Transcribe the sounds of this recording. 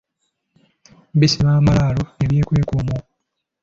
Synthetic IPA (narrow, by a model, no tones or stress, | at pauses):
bisiβaːmalaːloeβje̞ːkwe̞ːkumo